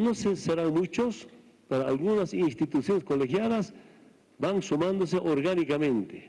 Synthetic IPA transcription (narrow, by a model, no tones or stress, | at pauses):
noseseɾaŋmut͡ʃos | peɾoalɣunasinst̪it̪usjo̞neskolexjaðas | baŋsumãnd̪oseʔoɾɣanikamẽnt̪e